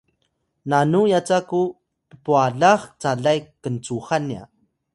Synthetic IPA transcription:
nanujat͡saku | pəpuaɮaχt͡saɮajkənt͡suχania̰

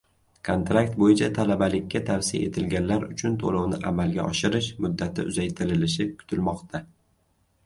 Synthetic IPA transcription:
kʰont̪ɾakt̪̚bojɪt͡ʃʰat̪ʰalabalɪkʲʰːat̪ʰavsɪja̰e̞̰t̪ʰɪlɡʲanlaɾʊt͡ʃʰʊnt̪ʰolɒwnɪʔa̰malɡʲa̰ʔɒʃɪɾɪʃmʊd̪ːat̪ʰɪ̰ʔʊ̰zajt̪ʰɪɾɪlɪʃɪkʰʊ̥t̪ʰɪlmɒqt̪ʰa

